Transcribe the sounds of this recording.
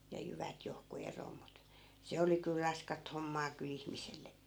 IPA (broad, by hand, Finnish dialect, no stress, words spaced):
jɑ jyʋæt johku eroː mut se oli kyl rɑskɑt homːɑː kyl ihmiselːekːiː